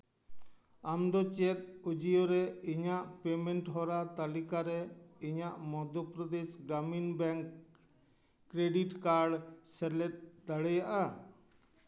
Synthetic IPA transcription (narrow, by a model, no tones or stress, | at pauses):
amd̪ɔt͡ʃɛt̪̚ud͡ʒijɔɾɛiɲaʔpɛmɛɳʈɦɔɾat̪alikaɾɛiɲaʔmɔd̪ʱɔpɾɔd̪ɛsɡɾaminbɛŋk | ɾeɖiʈkaɾɖsɛlɛt̪̚d̪aɽɛjaʔa